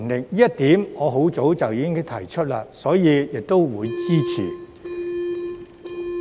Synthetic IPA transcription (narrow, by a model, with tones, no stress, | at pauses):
ŋlɪ˨˩k̚ːjɐ˥t̚t̪iː˨˥mŋɔː˨˧ɦo˨˥wt͡so˨˥wt͡sɐ˨wjiː˨˧kɪ˥ŋ˥t̪ʰɐ˨˩jt͡ʃʰɵ˥t̚laː˧sɔː˨˥jiː˨˧jɪ˨k̚t̪o˥wwuː˨˧jt͡siː˥t͡sʰḭ˨˩